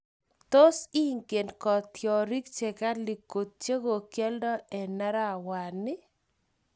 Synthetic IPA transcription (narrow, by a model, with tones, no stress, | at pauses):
t̪o˦si˦ŋke˨nkɔ˨t̪jɔ˨ɾi˦k̚t͡ʃe˨ka˦li˨ko˨t̪̚t͡ʃe˦ɡo˨kjɛ˦ldɔ˦ɛ˨na˦ɾa˦˨wa˨nɪ˦